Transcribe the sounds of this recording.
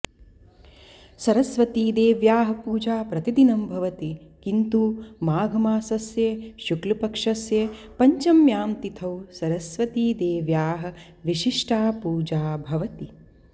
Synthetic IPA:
sɐɾɐsʋɐt̪iːd̪eːʋjaːɦɐ̆puːd͡ʒaːpɾɐt̪id̪inɐmbʱɐʋɐt̪ikint̪umaːɡʱɐmaːsɐsjeːʃuklɐpɐkʂɐsjeːpɐɲt͡ʃɐmjaːmt̪it̪ʰɐwsɐɾɐsʋɐt̪iːd̪eːʋjaːɦɐ̆ | ʋiʃiʂʈaːpuːd͡ʒaːbʱɐʋɐt̪i

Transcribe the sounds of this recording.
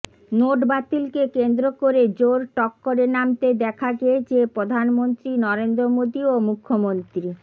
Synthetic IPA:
noʈbat̪ilkekend̪ɾokoɾed͡ʑoɾʈɔkːoɾenamt̪ed̪ɛkʰaɡed͡ʑepɾod̪ʱanmont̪ɾinɔɾend̪ɾomod̪iomukʰːomont̪ɾi

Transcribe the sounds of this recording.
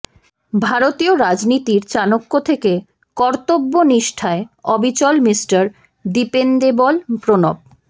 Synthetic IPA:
bʱaɾot̪ioɾad͡ʑnit̪iɾt͡ɕanokːot̪ʰeke | kɔɾt̪obːoniʃʈʰaeɔbʱit͡ɕɔlmisʈaɾ | ɖipend̪ebɔlpɾonob̚

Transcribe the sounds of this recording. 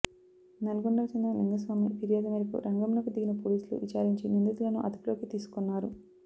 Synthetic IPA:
nɐlɐɡuɳɖɐt͡ʃind̪ɐninɡ̪ɐs̬ʋaːmipiɾijaːd̪ɐmɐɾɐkṵɾʔɐŋɡɐmnɐkud̪iɡinɐpoːliːslṵʋit͡ʃaːɾiɲt͡ʃinind̪ut̪ulɐnuʔɐ̰d̪uplo̞ːkit̪iːsu̥konːaːɾu

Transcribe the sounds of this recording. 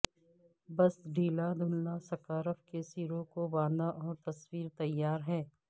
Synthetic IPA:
bɐsɖʱiːlad̪ʱʊnnasɐkaːɾəfkesiːɾõkoʋãːd̪aʔɔːɾt̪ɐswiːɾt̪ɐjːaːɾɦɛː

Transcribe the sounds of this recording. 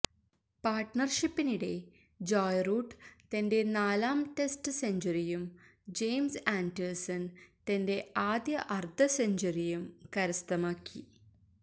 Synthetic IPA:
paːrʈnɐrʂipːiniɽe̞ | d͡ʑoːjruːɖt̪ɐnde̞naːlaːmʈesʈɨseɲd͡ʑɐɾijumd͡ʑejmsaːɳɖersɐnt̪ɐnde̞aːd̪jɐʔɐrd̪ʱɐseɲd͡ʑɐɾijumkɐɾɐst̪ɐmaːkːi

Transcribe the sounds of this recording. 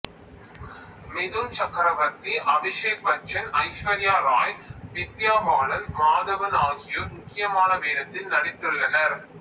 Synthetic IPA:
mɪðɯnt͡ʃɐkɾɐʋɐt̪ːiʔɐbɪʂeːk̚ʋɐt͡ʃːɐnɐɪʃʋɐɾjaːɾaːjʋɪt̪ːjaːmaːɭɐlmaːðɐʋɐnaːɣɪjomʊkːɪjɐmaːnɐʋeːðɐt̪ːɪnnɐɽɪt̪ːɯɭːɐnɐɾ

